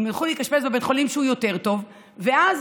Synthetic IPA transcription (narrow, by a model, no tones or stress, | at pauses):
mjolχuleitkaʃpesbebetχolimʃeujo̞te̞ʁto̞v | ve̞az